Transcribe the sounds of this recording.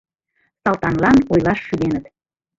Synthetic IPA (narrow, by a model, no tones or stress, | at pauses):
sɑlt̪ɑnlɑnojlɑʃːyd̪enət̪